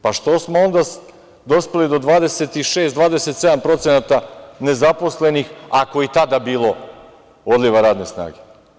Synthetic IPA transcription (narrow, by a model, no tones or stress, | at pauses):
paʃt̪o̞smoo̞nd̪a | d̪o̞spelid̪o̞d̪ʋaːd̪e̞se̞t̪iʃeːst̪d̪ʋaːd̪e̞set̪se̞d̪ampɾo̞t̪senat̪ane̞zapo̞sle̞nixako̞it̪ad̪abiːlo̞ | od̪liʋaɾaːd̪ne̞sna̰ːɡe̞